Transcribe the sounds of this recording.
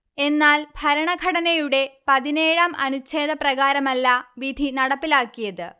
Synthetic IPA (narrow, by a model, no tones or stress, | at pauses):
e̞nːaːlbʱɐɾɐɳɐɡʱɐɽɐnɐjuɽe̞pɐðine̞ːɻɐmʔɐ̰nut͡ɕːe̞ːðɐprɐɣaːɾɐmɐlːɐʋid̪ʱinɐɽɐpːilaːkːijɐðɨ